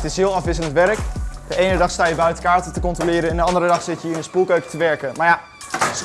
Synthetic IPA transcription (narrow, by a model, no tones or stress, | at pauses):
tɪsɦɪːlˠɑfʋɪsələntʋɛrəkdəʔejnədɑχstaːjəbœɥtəkaːɹtətəkɔntrolɪːɾəɛndəɑndəɾədɑχsɪtjəiːɪndəspulˠkøɥktəʋɛɹkənmaːɹja